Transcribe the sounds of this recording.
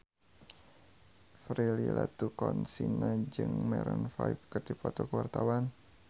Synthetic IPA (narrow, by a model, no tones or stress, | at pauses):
fɾililat̪ukɔnsinad͡ʒɨŋmɛɾɔnfajpkɨrdipɔt̪ɔkəwart̪awan